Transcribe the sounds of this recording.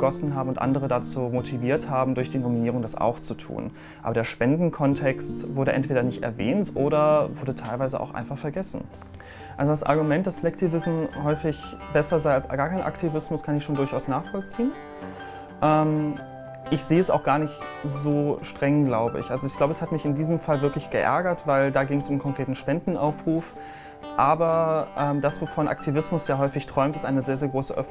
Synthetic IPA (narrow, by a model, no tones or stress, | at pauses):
əɡ̥ɔsn̩ɦaːbm̩ʊntʔa̰ndəʁ̞ədat͡suːmotʰiviːɐthaːbm̩dʊɐçd̥iːnominiːʁʊŋdasa̰ʊxt͡sutʰṵːn | ʔaːbɐdeːɐʃpɛndn̩kʰɔntʰɛkstvʊɐdɾəʔɛ̰ntv̥eːdɐnɪçtɛ̰ɐvɛ̰ːntʔoːɾɐvʊɐdətʰaɪlvaɪzə̰ʔa̰ʊxʔa̰ɪnfaχfɛɐɡɛsn̩ | ʔalzodasʔa̰ɐɡumɛnt̚d̥aslɛktʰivɪsm̩hɔʏfɪçb̥ɛsɐzaɪalsɡaːɐkʰaɪnʔa̰ktʰivɪsmʊskʰanɪçʃoːndʊɐçaʊsnaːχfɔlt͡siːən | ʔɛːm | ʔɪçz̥eːəɛsa̰xɡ̥aːɐnɪçtzoːʃtʁ̥ɛŋɡlaʊbəɪ̰çʔalzoɪçɡ̥laʊbəɛshatmɪçɪndiːzəmfalvɪɐklɪçɡ̥əʔɛ̰ɐɡɐtv̥aɪldaːɡɪŋəsʊmnkʰɔŋkʁ̥eːtn̩ʃpɛndn̩ʔaʊfʁ̥uːf | ʔaːbɐʔɛːmdasv̥ofoːɐnʔa̰ktʰivɪsmʊsjaːɦɔʏfɪçtʁ̥ɔʏmtɪstʔa̰ɪnəzeːɐzeːɐɡʁoːsə̰ʔœ̰f̩